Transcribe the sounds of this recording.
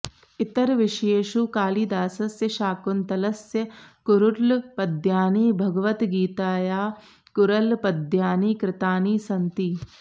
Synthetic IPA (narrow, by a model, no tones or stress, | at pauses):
ɪt̪ɐɾʋɪʃeːʃukaːliːd̪aːsɐsjɐʃaːkunt̪ɐlɐsjɐkʊɾuʈlpɐd̪ʱjaːniːbʱɐɡɐʋɐt̪ɡiːt̪aːjaː | kʊɾɐlpɐd̪ʱjaːniːkɾɪt̪aːniːsɐnt̪i